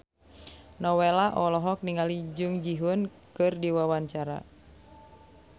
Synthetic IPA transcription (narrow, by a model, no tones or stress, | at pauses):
nɔwelaʔɔlɔɦɔk̚niŋalid͡ʒuŋd͡ʒiɦunkɨrdiwawaɲt͡ʃaɾa̰